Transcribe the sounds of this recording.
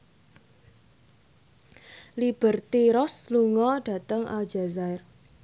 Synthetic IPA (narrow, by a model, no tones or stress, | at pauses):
lib̥ərt̪iɾɔsluŋɔɖ̥ä̤t̪əŋʔa̰l̥d͡ʒa̤zaɪr